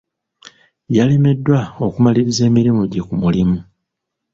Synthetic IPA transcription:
jaleme̞dːwaokumaliɾize̞ːmiɾimuɟe̞kumulimu

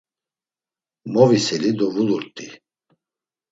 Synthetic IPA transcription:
mɔvisɛlid̪ɔvuluɾt̪ʼi

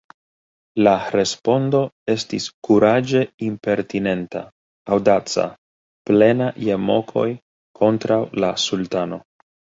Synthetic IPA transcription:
laɾe̞spo̞ndo̞e̞stiskuɾad͡ʒe̞impe̞ɾtine̞nta̰ː | wdat͡sa̰ | ple̞najemo̞kʰo̞̰j | kʰo̞ntɾawlasultano̞

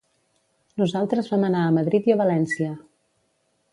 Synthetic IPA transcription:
nuzalˠt̪ɾəzβamənaəməðɾit̪iəβəlɛnsiə

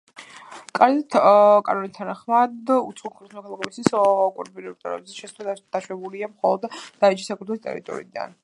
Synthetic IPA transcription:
kʼaɾd̪at̪ʰkʼa̰nɔnit̪ʰanaχmad̪ṵt̪sχulˠkʰɾt̪smɔkʰalˠaɡʼɛbist̪ʰisɔkʼuɾbiɾɛpt̪ʼɔ̰ɾɛ̰bzɛʃɛsd̪̥aʃwɛbuliamχɔlˠɔd̪d̪̥ait͡ʃʰi̥sakʰɾɛt̪ʰɛlˠst̪ʼɛ̰ɾḭt̪ʼɔ̰ɾḭid̪a̰n

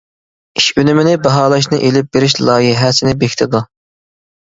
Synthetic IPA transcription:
iʃynymɪnɪbɑɦɑːlˠɑʃ̬nɨʔelɪp̚beɾɪʃlˠɑːjiɦæsɪnɪbekʲt̪ʰɪd̪u

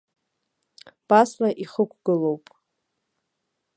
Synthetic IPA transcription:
b̥aslaʔiχəkʷʰɡ̥ɨlowpʼ

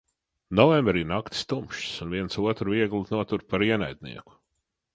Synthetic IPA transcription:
nɔvɛmbɾiɾnakt̪ʲst̪umʃsunviɛnsuɔt̪ɾuviɛɡlˠnuɔt̪uɾpaɾiɛna̰jd̪̚ʲnḭɛku̥

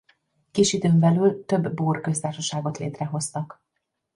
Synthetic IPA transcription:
kiːʃid̪øːmbɛlylt̪ø̞bːoːrkøst̪aːrʃɒʃaːɡo̞t̪lḛːt̪rɛɦo̞st̪ɒk

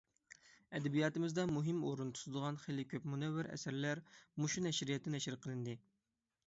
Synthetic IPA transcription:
ɛd̪ɛbijɑːt̪ɨmɪzd̪ɑmuɦɪmoɾunt̪ʰu̥t̪ɨd̪əʁɑnχelɪkʲʰøpmunɛwːɪɾɛ̰sæɾlæɾmuʃunɛʃɾijɛt̪ːɛnɛʃɪɾqʰəlˠɨnd̪ɨ

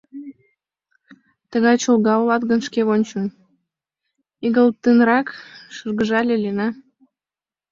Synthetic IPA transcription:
t̪əɣɑjt͡ɕolˠɣɑolɑt̪ɣə̆nʃkeβonʲt͡ɕə̆n | iɣəlt̪ənɾɑkʃərɣəʒɑlʲelʲenɑ

